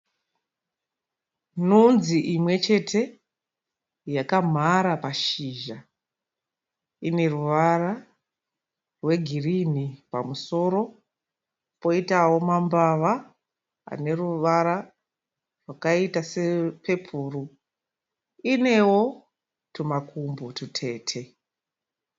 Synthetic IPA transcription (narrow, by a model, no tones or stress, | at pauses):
nunziʔimwe̞t͡ʃe̞tʰe̞ | jakam̤ʱaɾapaʃiːʒa | ine̞ruʋara | rwe̞ɡʱirinipa̰muso̞ːɾo̞ | po̞itawo̞mambaʋa | a̰ne̞ɾuʋaɾa | rwakaitasepe̞pʰuːru | ine̞wo̞ | tumakumbotutʰe̞ːtʰe̞